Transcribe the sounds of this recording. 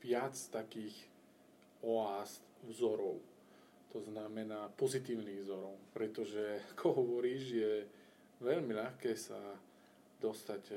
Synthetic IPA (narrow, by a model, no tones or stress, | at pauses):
ʋɪat͡st̪akiːx | ɔaːst̪vzɔɾɔʊ | t̪ɔznamɛnaːpɔzit̪iːʊniːɣvzɔɾɔʊpɾɛt̪ɔʒɛakʰɔɦɔʋɔɾiːʒjɛ | ʋɛʎmiʎaxkɛːsa | d̪ɔst̪aɟ